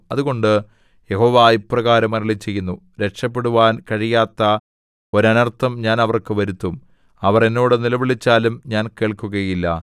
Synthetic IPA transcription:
ɐðuɣo̞ɳɖɨ | je̞ho̞ːʋaːiprɐɣaːɾɐmɐɾɐɭit͡ɕːe̞jːunːu | ɾe̞kʂɐpːe̞ɽuʋaːnkɐɻijaːt̪ːɐ | o̞ɾɐnɐrt̪ɐmɲaːnɐʋɐrkɨʋɐɾut̪ːum | ɐʋɐre̞nːo̞ːɽɨnilɐʋiɭit͡ɕːaːlumɲaːnke̞ːɭkuɣɐjilːɐ

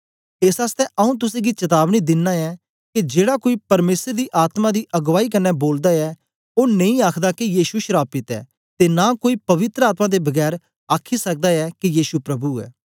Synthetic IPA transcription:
ɪsaːst̪ɛʔəũːt̪̬ʊsẽːɡit͡ʃɐt̪aːbnid̪ɪnːaːɛː | kid͡ʒeːɽaːkoːiːpɐɾmeːsəɾd̪iːʔaːt̪mãd̪iːʔɐɡʋaːiːkɐnːɛboːld̪aːɛː | oːnə̃ĩːaːkʰd̪aːkijiːʃuʃɾaːpɪt̪ɛ̰ː | t̪eːnãːkoːiːpɐʋɪt̪ɾəaːt̪mãːd̪eːbɐɡɛːɾ | aːkʰisɐk̚d̪aːɛːkijiːsupɾɐbuɛ̰ː

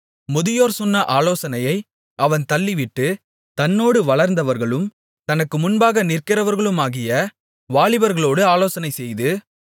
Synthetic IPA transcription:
mʊðɪjoːɾsɔnːɐʔaːloːsɐnɐjɐɪ | ʔɐʋɐnt̪ɐlːɪʋɪʈːɯ | t̪ɐnːoːɽɯʋɐɭɐɾnd̪ɐʋɐɾɣɐɭɯm | t̪ɐnɐkːɯmʊnbaːɣɐnɪrkɪɾɐʋɐɾɣɐɭɯmaːɣɪjɐ | ʋaːɭɪbɐɾɣɐɭoːɽɯaːloːsɐnɐɪsɛjðɯ

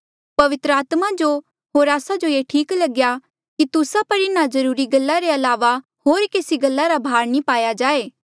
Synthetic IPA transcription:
pɐʋɪt̪ɾəaːt̪mad͡ʒo | ɦoːɾaːsad͡ʒojeːʈʰiːklɐɡja | kit̪ʊsapɐɾɪnazɐɾuːɾiɡɐlːaɾeɐlaːʋa | ɦoːɾkeːsiɡɐlːaɾabʱaːɾnĩpaːjad͡ʒaːeː

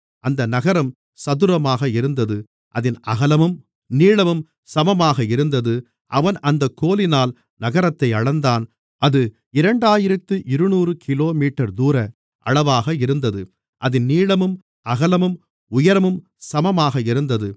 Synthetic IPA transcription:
ɐnd̪ɐnɐɣɐɾɐm | sɐðɯɾɐmaːɣɐɪɾɯnd̪ɐðɯ | ʔɐðɪnɐɣɐlɐmɯm | niːɭɐmɯm | sɐmɐmaːɣɐɪɾɯnd̪ɐðɯ | ʔɐʋɐnɐnd̪ɐkːoːlɪnaːl | nɐɣɐɾɐt̪ːɐɪɐɭɐnd̪aːn | ɐðɯ | ɪɾɐɳɖaːjɪɾɐt̪ːɯʔɪɾɯnuːrɯkʰɪloːmiːʈːɐɾd̪uːɾɐ | ʔɐ̰ɭɐʋaːɣɐɪɾɯnd̪ɐðɯ | ʔɐðɪnnːiːɭɐmɯm | ɐɣɐlɐmɯm | ʊjɐɾɐmɯm | sɐmɐmaːɣɐɪɾɯnd̪ɐðɯ

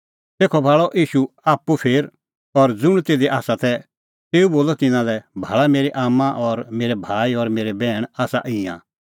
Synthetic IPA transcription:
t̪eːkʰɔbʱaːɭɔʔiːʃu | aːpːupʰeːɾ | ɔɾd͡zʊɽ̃t̪eːd̪eʔaːsat̪ɛ | t̪eːuboːlɔt̪ɪ̃nãlɛbʱaːɭameːɾeʔaːmãʔɔɾmeːɾɛbʱaːiɔɾmeːɾɛbɛːɽ̃aːsa̰ʔɪ̃ːã̰

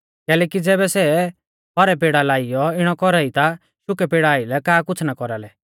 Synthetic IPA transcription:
kɛːlɛːkid͡zɛːbɛsɛ | pɔɾɛp̬eːɽalaːijɔɪɽ̃ɔkɔɾait̪a | ʃʊkɛpeːɽaːilɛkaːkʊt͡sʰnakɔɾalɛ

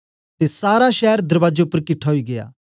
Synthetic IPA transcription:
t̪eːsaːɾaːʃɛːɾd̪əɾʋaːd͡ʒeːʊpːəɾkɪʈʰːaːɦoiːɡɪja̰ː

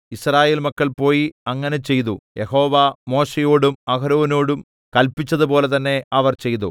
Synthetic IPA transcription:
israːje̞ːlmɐkːɐɭpo̞ːjiɐŋːɐne̞t͡ɕe̞jt̪ujʔe̞ɦo̞ːʋamo̞ːɕejoːɽumɐkɐɾuːnoːɽum | kɐlpːit͡ɕːɐðupo̞ːle̞t̪ɐnːe̞ɐʋɐrt͡ɕe̞jt̪u

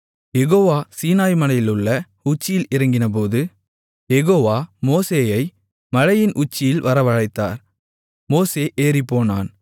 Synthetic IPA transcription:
jɛɣoːʋaːsiːnaːjmɐnɐjɪlɯɭːɐ | ʊt͡ʃːɪjɪlɪɾɐŋɡɪnɐp̬oːðɯ | jɛɣoːʋaːmoːseːjɐɪ | mɐɻɐjɪnʔʊt͡ʃːɪjɪlʋɐɾɐʋɐɻɐɪt̪ːa̰ːɾ | moːseːʔeːɾɪpːoːna̰ːn

